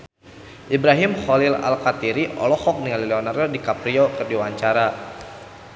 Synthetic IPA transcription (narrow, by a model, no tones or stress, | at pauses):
ʔibɾaɦimχɔlila̰lkat̪iɾiɔ̰lɔhɔk̚niŋalilɛɔnardɔdikapɾiɔkərdiwaɲt͡ʃaɾa